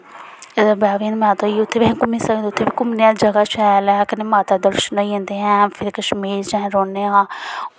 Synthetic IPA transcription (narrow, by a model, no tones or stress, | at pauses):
baːʋiːnmɛ̃ːt̪oːiːʊt̪ʰːeːbẽkʊmĩːsəɡnd̪eʊt̪ʰːeːbiːkʊmneãːd͡ʒəɡaːʃɛːlɛːkɪnẽːmaːt̪aːd̪əɾʃənaiɦẽːnd̪eːɛ̃ːpʰɪɾkəʃmiːɾd͡ʒãɾoːneãː